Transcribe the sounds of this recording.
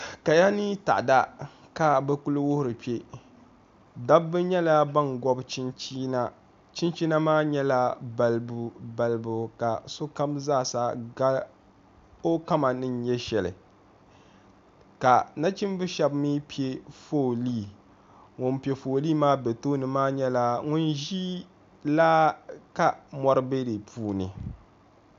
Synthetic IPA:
ka˨ja˦ni˦ta̰˨ʔda˦ | ka˨bɛ˦ku˦lɨ˦wʊ˦hʊ˨ɾɨ˨pi˦e˦ | da˦bːɨ˦ɲɛ˦la˦ba˦nɡɔ˦bt͡ʃi˦nt͡ʃi˦na˦ | t͡ʃi˦nt͡ʃi˦na˦maː˦ɲɛ˦la˦ba˨lbba˨lbʊ˨ka˨so˦ka˦mzaː˦˨sa˦ɡa˦ | o˦ka˦ma˨nɨ˦njɛ˦ʃɛ˨lɨ̰˨ | ka˨na˦t͡ʃi˦m˦bɨ˦ʃɛ˦bmiː˦pi˨e˦foː˦˨liː˦ | ŋo˨npi˨e˨foː˨li˦maː˦be˨toː˦nɨ˨maː˦ɲɛ˦la˨ŋʊ˦nʒiː˦ | laː˦ka˦mɔ˦ɾɨ˦be˦di˨pʰuː˦nɨ˨

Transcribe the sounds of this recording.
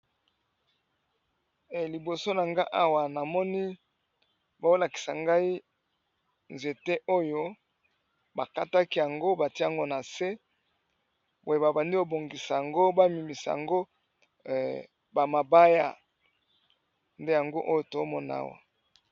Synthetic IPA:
li˨bo˨so˦na˨ŋɡa˦ʔa˦wa˨na˨mɔ˦ni˦ | ba˦o˦la˨ki̥˨sa˨ŋɡa˦i˦ | nze˨te˦ʔo˦jo˦ | ba˨ka˦ta˦ki˦ja˨ŋɡo˦ba˨ti˦a˨ŋɡo˦na˨se˦ | bo˨je˨ba˨ba˨ndi˦o˨bo˨ŋɡi˨sa˨ja˨ŋɡo˦ba˦mi˨mi˨sa̰˨ja̰˨ŋɡo˦ | ba˨ma˨ba˦ja̰˦ | nde˦ja˨ŋɡo˦ʔo˦jo˦to˨o˦mɔ˦na̰˦wa̰˨

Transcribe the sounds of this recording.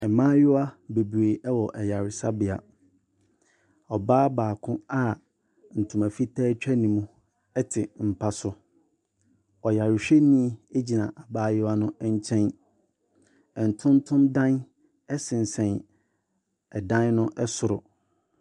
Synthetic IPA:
ɛ˨mã˦jʊ˦wa˦be˨bɾe˨ʔɛ˦wɔ˨ʔɛ˨ja˨ɾɪ˨sa˦bɪ˨a̰˨ | ɔ˨baː˦baː˨kʰʊ̃˦a˦ | n̩˨tʰũ˨mã˨fi˦tʰɛː˦t͡ɕᶣʰɛ˦nĩ˨mũ˦ | ɛ˦tʰɪ˨m̩˨pʰa˦sʊ˦ | ɔ˨ja˨ɾɪ˨ɕᶣe˦nĩ˦˨e˦d͡ʑi˨nã˨ʔa˨baː˦jɪ˦a˦nʊ̃˦ɛ˦ɲ˦t͡ɕʰɛ̃˦n | ɛ˨n̩˨tʰʊ̃˦n˦tʰʊ̃˦ndã˦n | ɛ˦sɪ̃˨n̩˨sɛ̃˨n | ɛ˨dã˦nnʊ̃˦ʔɛ˦sʊ˨ɾʊ˨

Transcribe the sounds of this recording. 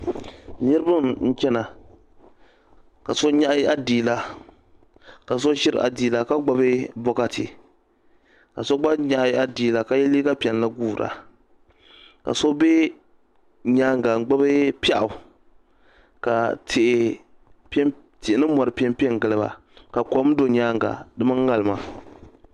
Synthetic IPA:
nɨ˦ɾɨ˦bɨ˦mn̩˦t͡ʃɛ˦na˨ | ka˨so˦ɲa˦ʔa˦diː˨la˦ | ka˨s̬o˦ʃɪ˦ɾ̰a̰˨diː˨la˦ka˦ɡ͡ba˦bɨ˦bɔ˦ka˦tʰɪ̰˨ | ka˨so˦ɡ͡ba˦ɲa˦ʔa˦diː˨la˦ka˦jɛ˦li˦ɡa˦pi˨ɛ˨n˦la˦ɡuː˦˨ɾa̰˨ | ka̰˨so˦be˦ | ɲaː˦ŋɡa˨ɡ͡ba˦bɨ˦pa˦ʔʊ˨ | ka˨tʰɪ˨ʔ | p | tɪ˨ʔɪ˨˦nɨ˦mɔ˨ɾɨ˨pi˦ɛ˦mpi˦ɛ˦ŋ˨ɡɨ˨lɨ˦ba̰˨ | ka˨kɔ˦m˦do˨ɲaː˦ŋɡa̰˨dɨ˦mɨ˦ŋ˦ŋa˨lɨ˨ma˨

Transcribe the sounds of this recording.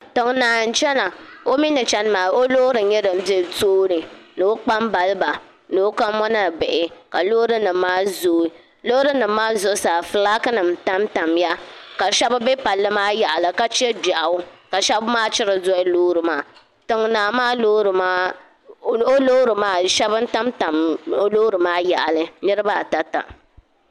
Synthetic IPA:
tɨ˨ŋnaː˨n̩˦t͡ʃɛ˦na˨o˦mi˦nɨ˨t͡ʃɛ˦n˦maː˨o˦lo˦ɾɨ˨ɲɛ˦dɨ˨m̩˦be˦˨toː˦ɾɨ˨nɨ˨o˦k͡pa˦mba˨lba˨ | nɨ˨˦ka˦mmɔ˦na˦˨bɪ˨ʔɪ˨ka˨lo˦ɾɨ˦nɨ˨mmːaː˦zoː˨˦i˨ | lo˦ɾɨ˦nɨ˨mː˦aː˦zʊ˦˨˦saː˨fɨ˨la˦kɨ˦nɨ˨m˨ta˦mta˨mja˦ka˨ʃɛ˦ba˦be˦pa˨lːɨ˦maː˦ja˨ʔa˨lɨ˨ka˦t͡ʃi˦ɛ˦ba˨ʔa˨ʊ˦ka˨ʃɛ˦bmaː˦t͡ʃɪ˦ɾɨ˨zɔ˦ɪ˦loː˦ɾɨ˨maː˨˦ | tɨ˨ŋ˨naː˨maː˦lo˦ɾɨ˨ma˦ | o˦lo˦ɾɨ˨maː˦ʃɛ˦bɨ˦n̩˦ta˦mta˨mo˦lo˦ɾɨ˨maː˦ja˨ʔa˨lɨ˦nɨ˦ɾɨ˦ba˦˨ta˨ta̰˨

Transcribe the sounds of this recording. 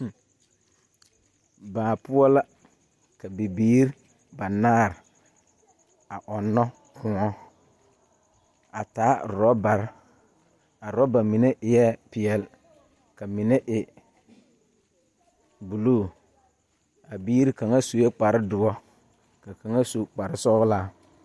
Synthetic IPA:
baː˨pʊ˦ɔ˦la˦ | ka˨bi˨biː˦ɾ | ba˨naː˦˨ɾɪ˨ | a˨ʔɔ˨nːɔ˦ | kʊ̃˨˦ɔ˦ | a˨taː˨˦˨ɾɔ˦ba˨ɾ | a˨ɾɔ˦ba˨mɪ˨ne˦ʔɪ˨jɛ˦pɪ˨ɛ˨l | ka˨mɪ˨ne˦ʔɪ˨ | bu˨loː˦˨ | a˨biː˦ɾi˦ka˨ŋa˦so˨jɛ˦k͡pa˨ɾɪ˦dʊ˨ɔ˦ | ka˨ka˨ŋa˦so˨k͡pa˨ɾɪ˦sɔ˦ɣlaː˦

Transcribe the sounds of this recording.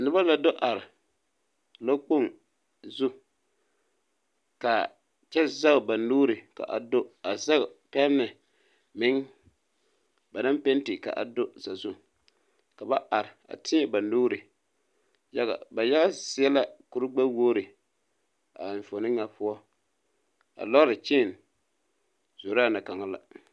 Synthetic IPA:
nʊ˨ba˦la˨do˦ʔa˨ɾɪ˨ | la˦k͡po˦˨ŋ | zʊ˦ | ka˨ | t͡ʃɛ˦za˦˨ba˨nuː˦ɾɪ˨ka̰˨ʔa̰˨do˦a˨za˦˨pɛ˦nːɨ˨ | mɪ˦ŋ | ba˨na˦mpe˦n˦tɪ˨ka̰˨ʔa̰˨do˦za˨zʊ˦ | ka˨ba˦ʔa˨ɾɪ˨a̰˨tʰɪ˦ɛ˨ba˨nuː˦ɾɪ˨ | ja˦ɣa̰˨ba˨ja˦ɣa˦sɪ˦ɛ˦la˦ku˨ɾʊ˦ɡ͡ba˦woː˦ɾɪ˨ | a̰˨ɱ̩˨fo˨nɪ˦ŋa˨pʊ˦ɔ˦ | a̰˨lɔ˦ɾɪ˨t͡ʃɪ˦˨n | z̥o˨ɾaː˦na˨ka˨ŋa˦la̰˨

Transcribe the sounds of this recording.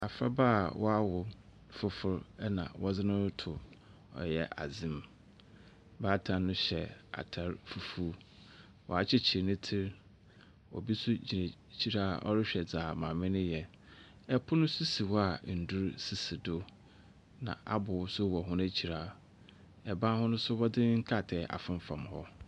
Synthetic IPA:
a˨fɾa˦baː˦˨wʔɔ˦a˦wʊ˨˦ | fʊ˦fʊ˦ɾɛ˦nã̰˨wɔ˦d͡zɪ˦nʊ̃˦tʰʊ˨ | ɔ̰˨jɛ̰˨ʔa̰˨d͡zɪ̃˦m | baː˦tʰã˨˦nʊ̃˦ɕɛ˨a̰˨tʰa˦ɾfu˨fu˦ | wʔɔ̰˨a˨t͡ɕʰɪ˦t͡ɕʰɪ˨ɾnʊ̃˦tʰɪ˦ɾ | ɔ̰˨bi˦sʊ˦d͡ʑi˨ne˨ | t͡ɕʰi˦ɾaː˦ʔɔ̰˦ɾɪ˦ɕᶣɛ˨d͡zaː˨mã˨mɪ̃˦nʊ̃˦jɛ˨ | ɛ˨pʰʊ˦nʊ̃˦sʊ˦si˨wa˨n̩˨dʊ˦ɾsi˨si˨dʊ˦ | nã̰˨ʔa˦bʊ˨˦sʊ˦wɔ˨ɦʊ̃˦næ˦t͡ɕʰi˨ɾaː˦ | ɛ˨bã˦hʊ̃˦nʊ̃˦sʊ˦wɔ˦dɪ˦ŋ̩˦kʰa˦˨tʰɛ˨˦ʔa̰˨fɪ̃˦m˦fã˨mhɔ˦

